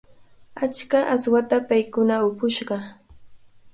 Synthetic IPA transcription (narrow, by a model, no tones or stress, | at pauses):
at͡ʃkaʔaswat̪apajkʊnaʊpʊʃɢɑ